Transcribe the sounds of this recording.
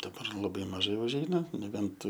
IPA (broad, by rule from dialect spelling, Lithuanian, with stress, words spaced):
dɐˈbɐr lˠɐˈbɐɪ mɐˈʒɐɪ ʊʒʲˈɛɪnɐ nʲɛˈbʲɛnt